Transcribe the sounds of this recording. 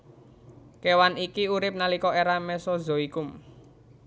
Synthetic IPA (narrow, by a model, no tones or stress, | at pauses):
kewanikiuɾɪp̚nalikɔeɾamɛsɔzo̤ikʊm